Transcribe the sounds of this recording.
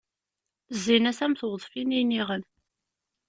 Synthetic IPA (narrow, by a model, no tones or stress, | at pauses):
zːinæsæmθwðˤfininiʁən